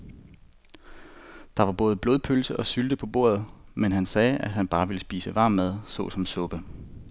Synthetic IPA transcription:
d̥ɑ̈ʋɑ̈b̥ɔ̽ːð̞̩ˠəb̥loːð̞ˠpʰølsəʔɒ̽syld̥əpʰɒ̽b̥o̝ɐð̞̩ˠmenɦænsɛːæ̥ɦænb̥ɑ̈ːʋe̝ləsb̥ḭːsəʋɑ̈ːmːæð̞ˠsɔ̰̽sɒ̽msɔ̽b̥ə

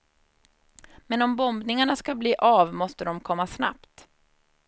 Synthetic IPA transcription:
mɛnɔmbɔmbnɪŋaɳaskabliːʔavmɔst̪əd̪ɔmkʰɔmːasna̰pt̪

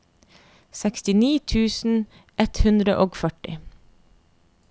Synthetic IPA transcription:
sɛkst̪ɪniːt̪ʰʉːsn̩ | ʔɛt̪hʉnd̪ɾəʔoːɡfœʈɪ

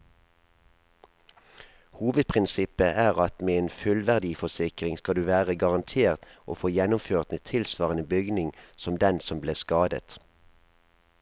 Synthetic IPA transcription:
huːʋəd̪̚pʰʁɪnsɪpəʔæːʁɑt̪meːeːnfʉlʋæʁd̪iːfɔsɪkʁɪŋskɑld̪ʉːʋæːʁəɡɑʁɑnt̪ʰeːʁt̪ʔo̰ːfoːjɛnʊmføːʁt̪mət̪ʰɪlsʋɑːʁənəbʏɡnɪŋsɔmd̪ɛnsɔmbleːʁskɑːd̪ə̰t̪

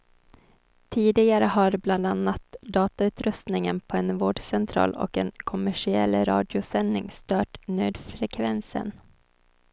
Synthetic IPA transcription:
t̪ʰiːd̪ɪɡaɾəhaɾbland̪anːat̪d̪ɑːt̪aʉ̟ːt̪ɾɵst̪nɪŋənpʰɔɛnvoːɖsɛnt̪ʰɾɑ̰ːlɔ̰kɛnkʰʊmæʂɪɛ̰lɾɑ̰ːd̪ɪʊsɛnːɪŋst̪œːʈnøːd̪fɾɛkʰvɛnsə̰n

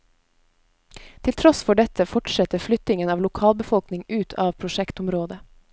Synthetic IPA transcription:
t̪ʰɪlt̪ʰɾɔsfɔɖɛt̪əfɔʈʃɛt̪əflʏt̪ɪŋənɑːʋlʊkʰɑːlbəfɔlknɪŋʉːt̪ʰɑːʋpʰɾʊʃɛkt̪ʊmɾoːd̪ə

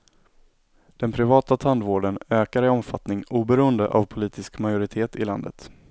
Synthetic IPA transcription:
d̪̥ɛnpʰɾɪvɑːt̪at̪ʰand̪voːɖənøːkaɾɪɔmfat̪nɪŋuːbɛɾuːənd̪ə̰ʔa̰vpʰʊliːt̪ɪskmajʊɾɪt̪ʰeːt̪ɪla̰nd̪ə̰t̪

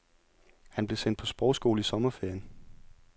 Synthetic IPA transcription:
hænb̥le̝sen̰̥̚pʰɒ̽sb̥ɒʊsɡ̥o̝ːləisɒ̽mɐfeɐ̰n

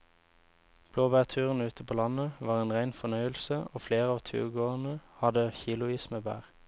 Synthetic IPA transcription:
b̥loːbæːʁt̪ʰʉːʁən̩ʉːt̪əpʰoːlɑnəʋɑːʁeːnʁæɪnfɔnœʏəlsəʔoːfleːʁəɑːʋt̪ʰʉ̰ːʁɡoːənəhɑd̪əçiːlʊiːsməbæ̰ːʁ

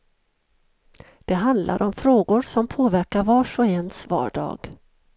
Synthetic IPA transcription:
d̪̥ɛɦand̪lʔa̰ɾʔɔmfɾoːɡʊɾsɔmpʰoːvæɾkaɾvɑːʂɔɛnsvɑ̰ːɖɑ̰ːɡ̥

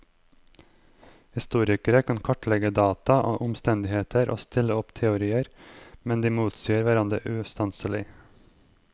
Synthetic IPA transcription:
hɪst̪uːɾɪkəɾəkʰɑnkʰɔʈlɛɡəd̪ɑːt̪ɑʔoːʔʊmst̪ɛnd̪ɪheːt̪ʰəɾʔo̰ːst̪ɪləɔpt̪ʰɛʊɾiːəɾmɛnd̪iːmuːt̪siːəɾʋæɾɑnd̪ɾə̰ʔʉːst̪ɑnsəlɪ

